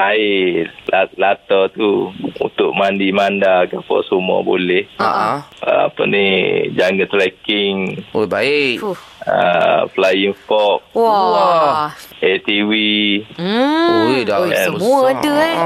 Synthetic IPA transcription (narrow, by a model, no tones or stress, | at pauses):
aɪʔlalat̪ɔt̪uṵnt̪ʊʔ̚mandimandakapə̰sumua̰bo̰lɛhaə̰a̰pə̰nid͡ʒaŋɡat̪ɾɛkɪŋobai | ə̰fəlajiŋfɔp̚w | et̪iwi | dɛəmuadə